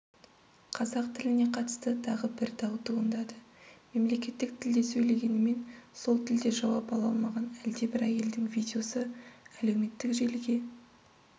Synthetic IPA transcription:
qʰɑzɑq̚t̪ʰɪlɪne̞qʰɑt̪ə̥st̪ət̪ʰɑʁəbɪɾd̪ɑwt̪ʰuənd̪ɑd̪ə | me̞mle̞kʲe̞t̪ːɪk̚t̪ʰɪld̪e̞sɵjle̞ɡʲe̞nɪme̞nso̞lˠt̪ʰɪld̪e̞ʒɑwɑpɑlˠɑlˠmɑʁɑnæld̪e̞bɪɾæje̞ld̪ɪŋvijdʲeo̞səæle̞wme̞t̪ːɪkʒe̞lɡʲe̞

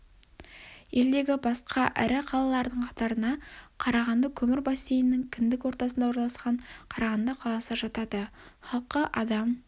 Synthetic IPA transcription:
je̞ld̪e̞ɡʲɪbɑsqɑʔæɾɪqʰɑlˠɑlˠɑɾd̪əɴqʰɑt̪ɑɾənɑqʰɑɾɑʁɑnd̪əkʲʰɵmɪɾbɑsejɪnːɪŋkʲʰɪnd̪ɪkwo̞ɾt̪ɑsənd̪ɑwoɾɑlˠɑsqɑɴqʰɑɾɑʁɑnd̪əqʰɑlˠɑsəʒɑt̪ɑd̪əχɑlˠqəʔɑd̪ɑm

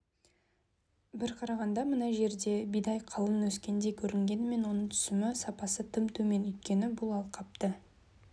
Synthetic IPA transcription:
bɪɾqʰɑɾɑʁɑnd̪ɑmənɑʒe̞ɾd̪e̞bijd̪ɑjqʰɑlˠəmwɵskʲe̞nd̪e̞kʲʰɵɾɪŋɡʲe̞nɪme̞nwo̞nəɴt̪ʰʏ̥sɪmɪsɑpɑsət̪ʰəmt̪ʰɵme̞nʏjt̪̚kʲe̞nɪbʊlˠɑlˠqʰɑp̚t̪ə

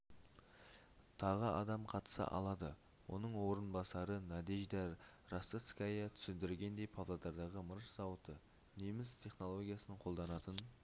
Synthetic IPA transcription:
t̪ʰɑʁəɑ̰d̪ɑmqʰɑt̪ə̥sə̰ʔɑ̰lˠɑd̪ə | wo̞̰nəɴwo̞ɾənbɑsɑɾənɑd̪iʒd̪æɾ | ɾast̪ət̪skajɑt̪ʰʏ̥sɪnd̪ɪɾɪlʲɡʲe̞nd̪e̞jpʰavlˠad̪ɑɾd̪ɑʁəməɾʒzɑwət̪ə | nemɪst̪ʲʰe̞χno̞lˠo̞ɡʲijasənəɴqʰo̞lˠd̪ɑnɑt̪ən

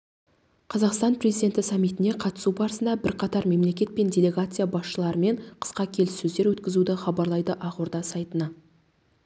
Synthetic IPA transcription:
qʰɑzɑqst̪ɑnpʰre̞zijd̪ʲe̞nt̪ɪsɑmːijt̪ɪne̞qʰɑt̪ə̥subɑɾəsənd̪ɑbɪɾqʰɑt̪ɑɾme̞mle̞kʲe̞t̪̚pe̞ndʲe̞lʲe̞ɡat̪sɨjabɑsʃəlˠɑɾəme̞ɴqʰə̥sqɑkʲʰe̞lɪsːɵzd̪e̞ɾwɵt̪kʲɪzud̪ɪχɑbɑɾlˠɑjd̪əʔɑʁuɾd̪ɑsɑjt̪ənɑ

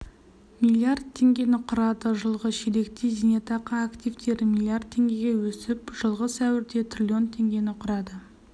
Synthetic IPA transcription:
milˠiard̪̚t̪ʰːe̞ŋɡʲe̞nɪqʰʊɾɑd̪əʒəlˠʁəʃeɾe̞kt̪ezinet̪ɑqɑːkt̪ʲijvt̪ʰe̞ɾmʲilˠiard̪̚t̪ʰːe̞ŋɡʲe̞ɡʲe̞wɵsɪpʒ̥əlˠʁəsæwɪɾd̪e̞t̪ʰrʲilʲio̞nt̪ʰe̞ŋɡʲe̞nɪqʰʊɾɑd̪ə

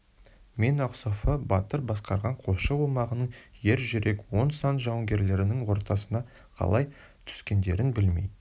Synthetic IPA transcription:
me̞nɑqsofəbɑt̪əɾbɑsqɑɾʁɑɴqʰo̞ʃəwomɑʁənəɴje̞ɾʒʏɾe̞kwo̞nsɑnt̪ʒɑwəŋɡʲe̞ɾle̞ɾɪnɪŋwo̞ɾt̪ɑsənɑ | qʰɑ̰lˠɑj | t̪ʰʏ̥skʲe̞nd̪e̞ɾɪnbɪlmḛjd̪

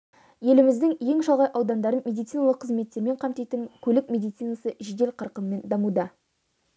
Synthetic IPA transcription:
je̞lɪmɪzd̪ɪŋje̞ŋʃɑlˠʁɑjʔɑwd̪ɑnd̪ɑɾənmʲed̪ijt̪sinɑlˠəqʰːəzme̞t̪ːe̞ɾme̞ɴqʰɑmt̪ejt̪əŋkʲʰɵlɪk̚mʲe̞d̪ijt̪sijnɑsəʒɪd̪e̞lqʰɑɾqəmːe̞nd̪ɑmud̪ɑ

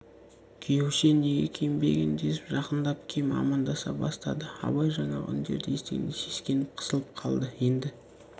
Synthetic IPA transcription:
kʲʰʏjewʃene̞ɡʲḛkʲʰejmbe̞̰ɡʲend̪esɪ̥pʒɑqənd̪ɑp̚kʲʰejmɑ̰mɑnd̪ɑsɑbɑst̪ɑd̪əɑ̰bɑjʒɑɴɑ̰ʏ̰nd̪eɾd̪ɪest̪eɡʲɪ̰nese̞skʲe̞nɪp̚qʰə̥səlˠəp̚qʰɑlˠd̪əje̞nd̪ɪ

